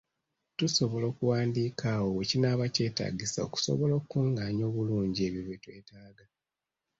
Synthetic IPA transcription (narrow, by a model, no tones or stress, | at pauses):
tuso̞βo̞loːkuwaːndiːkaːwowecinaːβace̞ːta̰ːɟisa̰o̰ku̥so̰βo̞lokukuŋɡaːɲo̞ːβuluːɲɟie̞βjoβwetwe̞ːtaːɡa